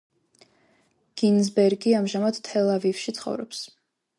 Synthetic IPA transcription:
ɡ̥inzbɛɾɡiamʒamad̪ʰɛlˠavifʃit̪sʰχɔ̰vɾɔ̰ps

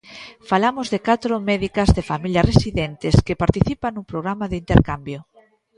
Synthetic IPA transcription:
falamʊzðɪkat̪ɾomɛðikɐzðefamiljɐresiðɛnt̪ɪskɪpaɾt̪iθipanuŋpɾoɣ̞ɾamaðɪint̪eɾkambjo

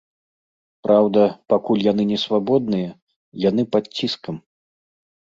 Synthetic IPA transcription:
pɾawd̪ɐpakulʲjan̪ɨnʲɛsvabɔd̪nɨjɐ | jan̪ɨpat̪t͡sʲːiskɐm

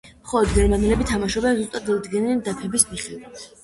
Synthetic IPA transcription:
χɔlˠɔd̪ɡɛɾmanɛlɛbit̪ʰamaʃɔbazust̪ʼat̪ːad̪ɡɛnɛnd̪apʰɛbismiχia

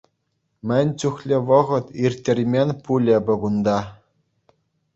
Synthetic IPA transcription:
mʲɘ̆nʲt͡ɕuχlʲɘ̆ʋɤ̆ʁɤ̆t̪irʲt̪ʲːĕrʲmʲenʲpulʲɘ̆bʲɤ̆ɡund̪ɑ

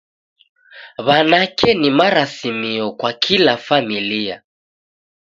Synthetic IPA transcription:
βanakɛnimaɾasimiɔkwakʰilafamilia̰

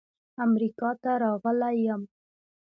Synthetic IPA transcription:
amɾikɑt̪aɾɑɣəlajəm

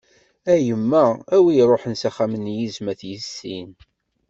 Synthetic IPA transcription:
æjəmːææwiɾˤoħənsæχæmənjizmæθjəsːin

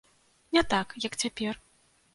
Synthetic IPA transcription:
nʲɛt̪akjɐkt͡sʲapʲɛr

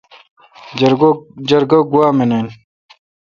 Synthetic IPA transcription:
d͡ʑɐɾɡoɡuaːmenen

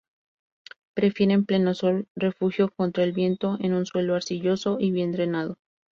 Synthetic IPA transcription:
pɾe̞fje̞ɾe̞mple̞nosolre̞fuxjo̞ko̞nt̪ɾaelβje̞nt̪o̞enunswe̞loaɾsiʝo̞so̞ʔiβje̞nd̪ɾe̞naðo̞

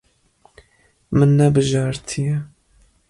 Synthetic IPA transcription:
mɨnːɛbɨʒɑːɾt̪ʰijɛ

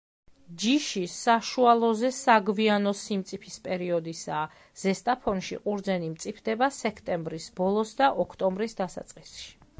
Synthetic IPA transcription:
d͡ʒiʃisaʃualˠɔzɛsaɡvianɔsimt̪sʼipʰispʼɛɾiɔd̪isaː | z̥ɛst̪ʼapʰɔnʃḭqʼuɾd̪zɛnimt̪sʼipʰd̪ɛbasɛkʰt̪ʼɛmbɾisbɔlˠɔsd̪aʔɔkʰt̪ʼɔmbɾisd̪asa̰t̪sʼqʼisʃi̥

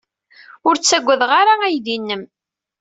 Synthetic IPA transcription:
ʊɾt͡sːæɡʷːəðʁaɾaæjðinːəm

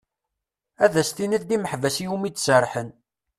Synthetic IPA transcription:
æðæst̪iniðd̪iməħvæsijumid̪səɾˤħən

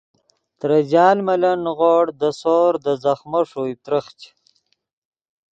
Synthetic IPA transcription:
t̪ɾɐd͡ʑɑːlmɐlɐnɣoːɽd̪əsoːɾd̪əzɐxmɐʂujt̪ɾəxt͡ɕ

